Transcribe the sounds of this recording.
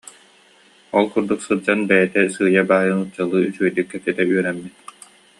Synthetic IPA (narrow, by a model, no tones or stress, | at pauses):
ɔlˠkuɾd̪uksɯd͡ʑanbɛjɛt̪ɛsɯːjabaːjɯnɯt͡ɕalˠɯːysyœjd̪ykːɛt̪ɛt̪ɛyœɾɛmːit̪̚